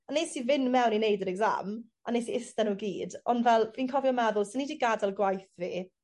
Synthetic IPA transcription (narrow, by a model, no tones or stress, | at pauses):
anejsivɪnmɛwninejdəɾɛɡza̰m | anesiɪstanowɡiːdɔndvɛlˠviːnkʰɔviɔmaðʊlˠsɪnidiːɡadalˠɡwajθviː